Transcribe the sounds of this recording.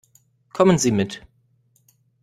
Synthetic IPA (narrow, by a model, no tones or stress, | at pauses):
kʰɔmənziːmɪt